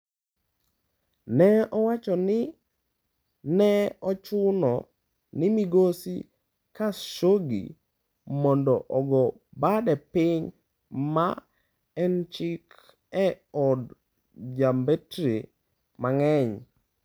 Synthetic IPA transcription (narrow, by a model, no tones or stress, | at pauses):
nɛɔwat͡ʃɔnɪ | nɛɔt͡ʃʊnɔ | nɪmiɡosḭ | kaʃoɡḭ | mɔndɔʔɔɡɔ | badɛpɪɲ | ma | ɛnt͡ʃɪk | ɛ | ɔd | d͡ʒambetɾe | maŋɛɲ